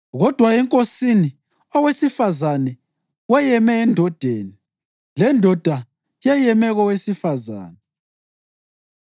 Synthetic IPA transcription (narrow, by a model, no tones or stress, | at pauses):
ɣɔd̥ʱwaɛŋkʼosini | ɔwesifazanɛ | wɛjɛmɛːndʱɔd̥ʱeːni | lɛndʱɔd̥ʱa | jɛjɛmɛɣɔwesifaza̰ːnɛ